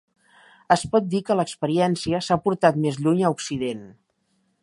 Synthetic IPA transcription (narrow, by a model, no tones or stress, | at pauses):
əspɔt̪̚d̪ikələkspəɾiɛnsiəsapuɾt̪at̪mezʎuɲəuksiðen